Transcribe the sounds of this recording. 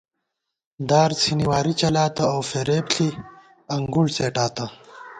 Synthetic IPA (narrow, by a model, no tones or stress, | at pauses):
d̪aːɾsʰiniwaːɾit͡ɕɐlaːt̪ɐowfeɾeːpɬʰi | ɐŋɡulseːʈaːt̪ɐ